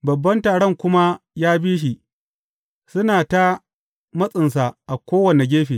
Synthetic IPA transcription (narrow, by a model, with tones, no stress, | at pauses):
bɐ˨bːɐ˦ntaː˨ɽɔ˦˨ŋkʷʊ˦ma˦jaː˦biː˦ʃ̬i˨ | sʊ˦naː˨ta˦ | mɐ˦sʼɪ˨ns̬a˨ʔa˨kʷoː˦wɐ˨ne˨ɡʲeː˦ɸiː˨